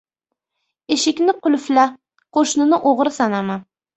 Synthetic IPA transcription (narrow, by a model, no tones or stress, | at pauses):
ɪʃɪkʲnɪqʰʊlflæ | qʰoʃnɪnɪʔoʁɾɨsɑnɑmɑ